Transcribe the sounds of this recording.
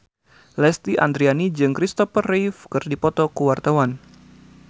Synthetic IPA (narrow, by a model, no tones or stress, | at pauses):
lɛst̪iʔa̰nd̪ɾianid͡ʒɨŋkɾist̪ɔfərifkɨrdipɔt̪ɔkuwart̪awan